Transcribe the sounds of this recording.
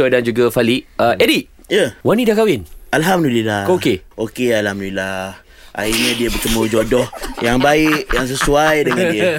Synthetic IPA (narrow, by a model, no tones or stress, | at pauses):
odand͡ʒuɡafaliʔəʔediʔ̚ | jəwanidakawɪnalɦamdulilaokeokealhamdulila | ʔa̰iɲə̃diəbət͡ʃəmud͡ʒɔdɔhjaŋbaɪʔjaŋs̬əsuajdəŋãniə